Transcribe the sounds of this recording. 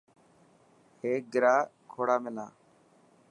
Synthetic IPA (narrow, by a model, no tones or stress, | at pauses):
heːk̚ɡɾaːkʰoːɽaːmɪlaː